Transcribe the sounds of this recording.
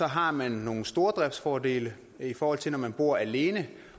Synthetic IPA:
ɒ̽ɦɑ̈mænːo̝ːn̩sd̥o̝ːɐd̥ʁɛb̥sfɒːde̝̰ːlə | ifɒːhɒ̽l̰t͡sʰe̝lnɒmænb̥o̝ɐ̰æle̝ːnə

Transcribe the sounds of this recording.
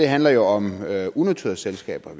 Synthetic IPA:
e̝ɦænlɐjo̝ɒ̽møunæt͡sʰy̰ɐselsɡ̥ɛ̰ːb̥ɐ

